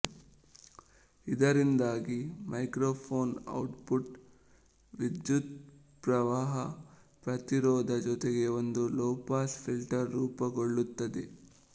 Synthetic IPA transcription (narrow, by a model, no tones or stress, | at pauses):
id̪ɐɾind̪aːɡimʔɐjkɾoːpʰoːnɐ̰wʈpuʈ | ʋid̪jut̪ | pɾɐʋaːɦɐ | pɾɐt̪iɾɔːd̪ʱɐd͡ʒɔt̪eɡe̞ond̪ulɔːpaːspʰilʈɐɾːuːpɐɡoɭːut̪ːɐd̪ḛ